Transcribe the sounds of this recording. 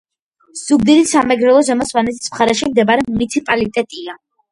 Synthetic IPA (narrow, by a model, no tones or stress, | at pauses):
z̥ubd̪ilisamɛɡɾɛlˠɔzɛmɔswanɛzsmχaɾɛʃimd̪ɛbaɾɛmunit̪sʰipʼalit̪ʼɛt̪ʼia